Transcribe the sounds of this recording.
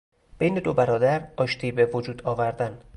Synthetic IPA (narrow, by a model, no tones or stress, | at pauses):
b̥ejned̪obæɾɒːd̪æɾɒːʃt̪ʰiːbevod͡ʒuːd̪ɒːvæɾd̪æn